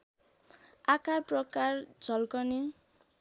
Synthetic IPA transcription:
akarprʌkard͡zʱʌlkʌni

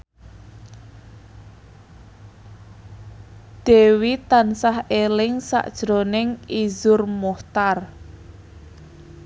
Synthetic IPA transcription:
d̪̥e̤wit̪ansahelɪŋsa̰ʔd̥ʒ̥ɾonɪŋizʊrmɔht̪ar

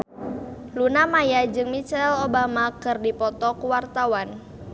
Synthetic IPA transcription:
lunamajad͡ʒɨŋmit͡ʃɛlobamakɨrdipɔt̪ɔkuwart̪awan

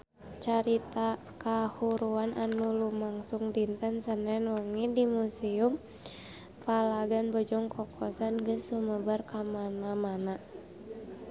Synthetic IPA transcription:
t͡ʃaɾit̪a | kahuɾuanʔanulumaŋsuŋdint̪ənsənɛnwəŋidimusium | palaɡanbɔd͡ʒɔŋkɔkʰɔsanɡəsːuməbarkamanamana

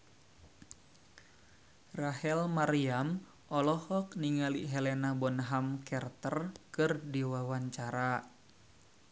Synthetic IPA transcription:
rahɛlmaɾiam | ʔɔlɔhɔk̚niŋaliɦɛlɛnabɔnɦamkɛrt̪ərkɨrdiwawaɲt͡ʃaɾa

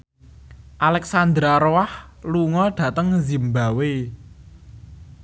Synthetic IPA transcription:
ʔalɛksand̪ɾaɾoahluŋɔɖ̥ä̤t̪əŋzimbawe

